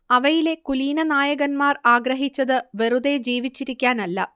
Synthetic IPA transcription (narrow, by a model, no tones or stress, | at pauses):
ɐʋɐjile̞kuliːnɐnaːjɐɣɐnmaːraːɡɾɐɦit͡ɕːɐðɨʋeruðe̞d͡ʑiːʋit͡ɕːiɾikʲːaːnɐlːɐ̰